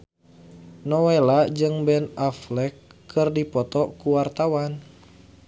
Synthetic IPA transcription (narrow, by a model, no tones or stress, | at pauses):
nɔwelad͡ʒɨŋbɛnaflɛkːɨrdipɔt̪ɔkuwart̪awan